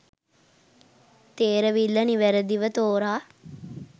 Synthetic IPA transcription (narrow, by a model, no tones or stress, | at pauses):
t̪eːɾəʋilːəniʋɛɾəd̪iʋət̪oːɾaː